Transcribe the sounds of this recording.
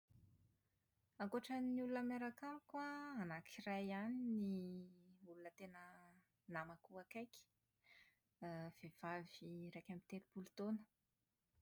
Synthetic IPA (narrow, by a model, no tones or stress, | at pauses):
aŋkoʈ͡ʂəniulunəmaɾakaɾukwaanakʰirajanini | ulunət̪enə | namakuakajki̥ | v̥ev̥aviɾajkʲamit̪eɾipulut̪onə̥